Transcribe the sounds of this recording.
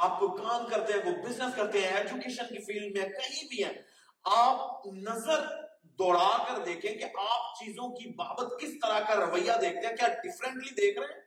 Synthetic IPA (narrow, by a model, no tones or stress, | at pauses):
aːp̚kokaːmkɐɾt̪ẽɦɛ̃ːʋoːbɪznəskɐɾt̪eɦɛ̃ɛːd͡ʒukeːʃənkifiːlmmẽkɐɦĩbʱiɦɛ̃ː | aːp̚nɐzəɾ | d̪ɔːɽaːkəɾd̪eːkʰẽkeʔaːp̚t͡ʃiːzõkiba̰ːbət̪kɪst̪əɾakaɾɐʋəjːad̪eːk̚ʰt̪ẽɦɛ̃kjaːɖɪfɾə̃ɳʈlid̪eːkʰɾeɦɛ̃ː